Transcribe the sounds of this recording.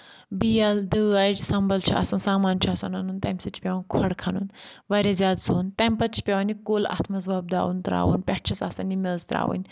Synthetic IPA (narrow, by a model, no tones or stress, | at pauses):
bijɐld̪əaʈsɐmbɐlt͡ʃʰiʔɐ̰sɐnsaːmaːnt͡ʃʰuɐsɐnɐnunt̪ɐmʲsɐt͡ʃʰpʲɐwnkʰɔɽkʰɐnunʋɐɾʲɐzʲaːd̪soːnt̪ɐmʲpɐt͡ʃʰi̥pʲɐwnikola̰ːt̪ʰmɐzʋɐb̚d̪a̰ːwunt̪ɾa̰ːwṵnpʲɛʈ̚t͡ʃʰɐsa̰ːsɐnːimɐlzt̪ɾa̰ːwṵnʲ